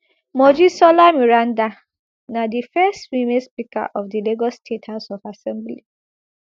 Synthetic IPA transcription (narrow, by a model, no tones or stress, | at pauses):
mɔd͡ʒisɔlamiɾan̩da | nadifɛstwimespika̰ʔɔfdileɡɔsstʰethaʊsɔfasɛ̃mbli